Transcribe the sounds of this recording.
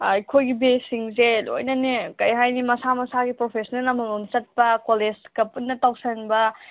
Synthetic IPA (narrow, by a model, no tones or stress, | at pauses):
ɐjkʰojɡibesiŋzelo̰jnɐnekɐjɦajnimɐsamɐsaɡipɾopʰesnelɐmɐmont͡ʃɐt̚pɐkolezkɐpunːɐtawsɐnbɐ